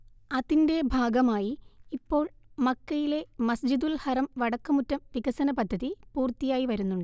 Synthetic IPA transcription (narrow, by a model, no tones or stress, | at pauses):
ɐðinde̞bʱaːɡɐmaːjiipːo̞ːɭmɐkːɐjile̞mɐsd͡ʑid̪ulhɐrɐmʋɐɽɐkːɐmutːɐmʋiɡɐsɐnɐpɐd̪ʱːɐðipuːrt̪ːijaːjiʋɐɾunːuɳɖɨ